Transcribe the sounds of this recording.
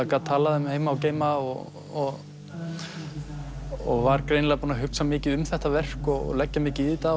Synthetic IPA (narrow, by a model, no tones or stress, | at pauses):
akat̪ʰaːlaðɛmheːjmaawceːjmaɔ̰ | ɔɣ | ɔ̰ɣvaɾkɾeːjnlɛɣapuːnaɦʏksamɪːcɪðʏmθɛht̪avɛr̥kɔɣ̰lɛcːamɪːcɪit̪a